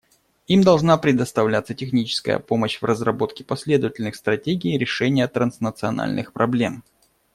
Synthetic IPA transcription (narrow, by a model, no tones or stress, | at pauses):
imd̪ɐlˠʐnapɾʲɪd̪əst̪ɐvlʲat̪sətʲɪxnʲit͡ɕɪ̥skə̰jə̰po̞məɕvrəzrɐbo̞t̪kʲɪ̥pɐsʲlʲe̞d̪əvətʲɪlʲnɨxst̪ɾɐtʲeɡʲɪːɾʲɪʂɛnʲɪjət̪ɾənsnət̪sɨɐ̰na̰lʲnʔɨ̰xpɾʔɐblʲe̞m